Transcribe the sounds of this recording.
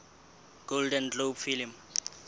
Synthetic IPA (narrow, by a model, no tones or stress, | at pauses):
ɡ̥oldɛntt͡ɬopfilm